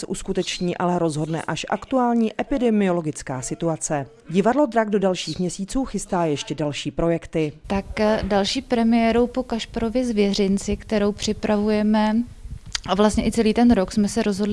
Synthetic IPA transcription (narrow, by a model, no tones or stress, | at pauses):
sɛʔuskut̪ɛt͡ʃɲiːʔalɛɾo̞zɦo̞dnɛ̰ʔaʃʔa̰kt̪uaːlɲiːʔʔɛpɪdɛmɪo̞lo̞ɡɪt͡skaːsɪt̪uat͡sɛ | ɟɪvadlo̞d̪ɾaɡdo̞dalʃiːxmɲɛsiːt͡suːxɪst̪aːjɛʃcɛdalʃiːpɾo̞jɛkt̪ɪt̪akdalʃiːpɾɛmɪjɛːɾowpo̞kaʃpaɾo̞vjɛzvjɛrɪnt͡sɪkt̪ɛɾo̞wpr̥ɪpɾavujɛmɛ | avlast̪ɲɛʔɪt͡sɛliːt̪ɛnɾoksmɛsɛɾo̞zɦo̞dlɪ